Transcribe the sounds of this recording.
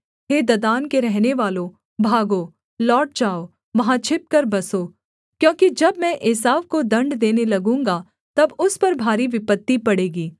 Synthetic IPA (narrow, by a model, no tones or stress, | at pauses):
ɦeːd̪ɐd̪aːnkeɾɛɦneʋaːlõ | bʱaːɡoː | lɔːʈ̚d͡ʒaːoː | ʋɐɦãt͡ʃʰɪp̚kɐɾbɐsoː | kjõːkid͡ʒɐbmɛ̃ʔɪsaːʋkod̪ɐ̃ɳɖd̪eːnelɐɡũːŋɡa | t̪ɐbʊspɐɾbʱaːɾiʋɪpət̪ːipɐɽeːɡiː